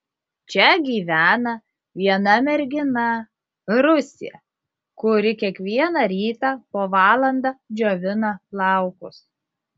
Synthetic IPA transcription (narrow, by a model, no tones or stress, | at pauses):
t͡ʃʲɛɡʲiːʋʲæːnɐ | ʋʲiɛnɐmʲɛɾʲɡʲɪnɐ | ɾʊsʲɪ̰jɛ̰ | kʊɾʲɪkʲiɛkʋʲiɛnɑɾʲiːt̪ɑːpoːʋɑːlˠɐnd̪ɑːd͡ʒʲoːʋʲɪnɐlˠɑˑʊkʊs